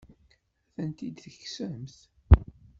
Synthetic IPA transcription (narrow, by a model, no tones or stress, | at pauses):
θənt̪id̪θəçsəmθ